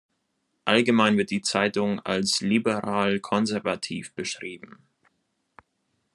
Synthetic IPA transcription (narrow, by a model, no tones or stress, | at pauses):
ʔalɡəmaɪnvɪɐt̚d̥iːt͡saɪtʊŋa̰lslibəʁaːlkʰɔnzɛɐvatʰḭːfb̥əʃʁ̥iːbm̩